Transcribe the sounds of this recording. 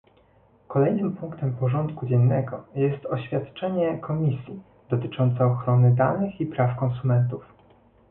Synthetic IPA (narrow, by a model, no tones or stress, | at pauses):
kɔlɛjnɘmpuŋkt̪ɛmpɔʐɔnt̪kud͡ʑɛnːɛɡɔjɛst̪ɔɕfʲjat̪t͡ʂɛɲɛkʰɔmʲisʲji | d̪̥ɔt̪ɘt͡ʂɔnt̪sɛɔxɾɔnɘd̪anɘxipɾafkɔnsumɛnt̪uf